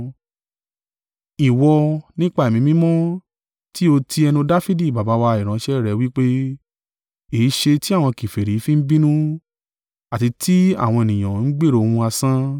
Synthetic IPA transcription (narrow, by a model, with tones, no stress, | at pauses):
i˨wɔ˧nĩ˦k͡pa˦˨e˨mĩ˨˦mĩ˦mɔ̃˦ | ti˦o˧tʰi˧ɛ˧nũ˧da˦fi˦di˦˨ba˨ba˨˧˦wa˧i˨ɾ̃ã˨˦ʃɛ˦˨ɾɛ˨˧˦wi˦k͡pe˦ | e˨i˨˦ʃe˧ti˦a˦˨w̃ɔ̃˧ki˨fe˨ɾi˨˦fĩ˦n̩˦bĩ˦nũ˦ | a˦˨ti˧ti˦a̰˦˨w̃ɔ̃˧e˨nĩ˨j̃ã˨n̩˦ɡ͡be˦˨ɾo˨˧ũ˧a˧sã˦